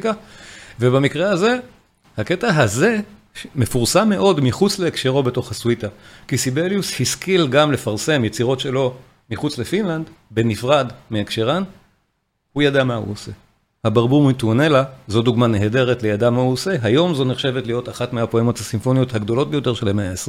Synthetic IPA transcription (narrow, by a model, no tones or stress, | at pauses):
kave̞bamikʁehaze̞ | hake̞taɦaze̞ | ʃmefuʁsamːe̞ʔo̞dmiχut͡sle̞ːkʃeʁo̞be̞to̞χhaswitakisibeljushiskilɡamle̞faʁse̞mjet͡siʁo̞tʃe̞lo̞ | miχut͡sle̞finland̪be̞nifʁadmeakʃeʁan | hujadamahṵose̞ | habaʁbuʁmituane̞lazo̞duɡmaneɦede̞ʁetlejadamauose̞ɦajo̞mzo̞neχʃe̞vetlijo̞taχatmeapoemo̞thasinfo̞nijo̞thaɡdo̞lo̞t̚be̞jo̞te̞ʁʃelameaesʁe